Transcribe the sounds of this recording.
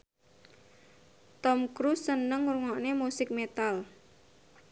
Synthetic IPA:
t̪ɔmkɾusːənəŋuɾuŋɔʔnemusɪk̚met̪al

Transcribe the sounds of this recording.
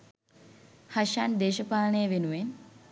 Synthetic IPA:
haʃand̪eːʃəpaːlnəjəʋenuʋen

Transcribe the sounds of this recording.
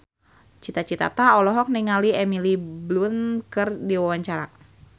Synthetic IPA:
t͡ʃit̪at͡ʃit̪a̰t̪aɔlɔɦɔk̚niŋaliɛmiliblunkɨrdiwawaɲt͡ʃaɾa

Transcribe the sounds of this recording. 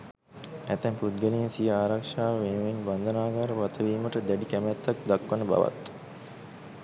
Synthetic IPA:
æt̪æmput̪̚ɡənejnsijəaːɾakʂaːʋəʋenuʋenband̪ənaːɡaːɾəʋat̪əʋiːməʈəd̪æɖikæmæt̪ːak̚d̪akːənəba̰ʋa̰t̪

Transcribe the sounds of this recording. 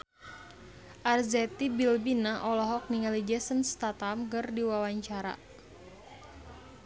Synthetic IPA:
ʔarzɛt̪ibilbinaʔɔlɔɦɔk̚niŋalid͡ʒɛsənst̪at̪amkərdiwawaɲt͡ʃaɾa̰

